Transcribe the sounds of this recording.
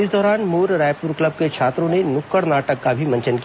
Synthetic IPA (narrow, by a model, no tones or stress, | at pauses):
ɪsd̪ɔːɾaːnmuːɾɾaːjpuːɾkləb̚ket͡ʃʰaːt̪ɾõnenʊkːəɽnaːʈəkːabʱimɐ̃ɲt͡ʃənki